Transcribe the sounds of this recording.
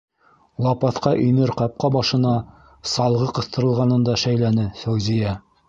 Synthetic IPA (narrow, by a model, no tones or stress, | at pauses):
lˠɑpɑθqɑʔinɘɾqɑp̚qɑbɑʃɤ̆nɑ | sɑlˠʁɤqɤ̆θt̪ɤ̆ɾɤ̆lˠʁɑnɤ̆nd̪ɑʃæjlænɘsæwzijæ